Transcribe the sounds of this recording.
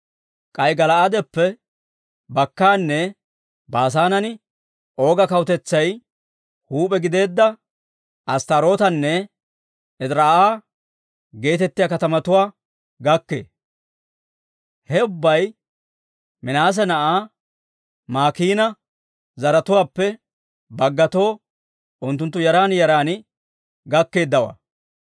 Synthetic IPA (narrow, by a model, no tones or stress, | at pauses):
kʼɐjɡɐlɐʔad̪ɛpːɛ | bɐkːaːnːɛ | baːs̬aːnɐnɪ | ʔo̞ːɡɐkɐwt̪ɛt͡sːɐj | huːpʼɛɡɪd̪e̞ːd̪ːɐ | ɐst̪ɐɾo̞ːt̪ɐnːɛ | ɛd̪ɾaːaː | ɡe̞ːt̪ɛt̪ːɪjaːkɐt̪ɐmɐt̪ʊwaː | ɡɐkːḛː | hɛʊbːɐj | mɪnaːs̬ɛnɐʔaː | maːkiːnɐ | zɐɾɐt̪ʊwaːpːɛ | bɐɡːɐt̪o̞ː | ʊnt̪ːʊnt̪ːʊjɐɾaːnjɐɾaːnɪ | ɡɐkːe̞ːd̪ːɐwa̰